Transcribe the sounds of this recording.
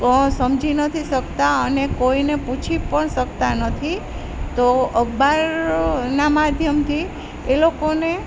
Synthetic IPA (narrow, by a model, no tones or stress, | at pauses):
kɔ̃səmd͡ʒinət̪ʰisəkt̪aənekoineput͡ʃʰipəɳsək̚t̪anət̪ʰi | t̪oəɡbaɾnamad̪ʱjəmt̪ʰi | elokone